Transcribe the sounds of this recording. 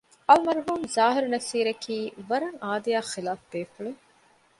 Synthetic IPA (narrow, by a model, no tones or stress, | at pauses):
ɐlmɐɾɦuːmzaːɦɪɾnɐsiːɾɐkʰiːʋɐɾɐŋaːd̪ijaːχilaːfbeːfuɭu